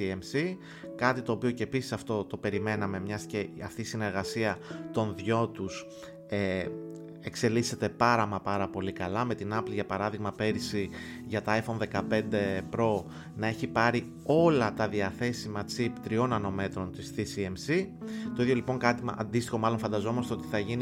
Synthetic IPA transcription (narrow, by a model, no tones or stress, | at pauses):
iemsi | kɐt̪it̪o̞ːpio̞ce̞ːpisi̥sɐft̪o̞t̪o̞pe̞ɾime̞nɐme̞mɲɐsceɐft̪iːsine̞ɾɣɐsiɐt̪o̞nðʝo̞t̪us | e | e̞kse̞lise̞t̪e̞pɐɾɐmɐpɐɾɐpo̞likɐlɐme̞t̪inɐpliʝɐpɐɾɐðiɣmɐpe̞ɾisi | ʝɐt̪ɐɐjfo̞nðe̞kɐpe̞nd̪e̞pɾo̞ | nɐe̞çipɐɾi | o̞lɐt̪ɐðiɐθe̞simɐt͡sipt̪ɾio̞nɐno̞me̞t̪ɾo̞nt̪isθisiemsit̪oiðʝo̞lipo̞ŋkɐt̪iɐ̰nd̪ist̪ixo̞mɐlo̞nfɐnd̪ɐzo̞mo̞st̪eo̞t̪iθɐʝin